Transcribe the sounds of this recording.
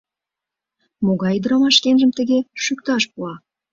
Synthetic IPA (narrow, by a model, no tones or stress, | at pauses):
moɣɑjd̪ɾɑmɑʃkenʒəmt̪ə̆ɣeʃykt̪ɑʃpuɑ